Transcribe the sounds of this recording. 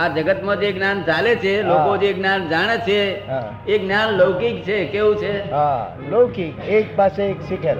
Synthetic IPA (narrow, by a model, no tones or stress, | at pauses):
ad͡ʒəɡət̪mãd͡ʒeknjant͡ʃalet͡ʃʰelokod͡ʒeknjand͡ʒaɽ̃et͡ʃʰeɦã | eknjanləʋkik̚t͡ʃʰekeʋũt͡ʃʰeɦa | ləwkikek̚paseekʃikʰel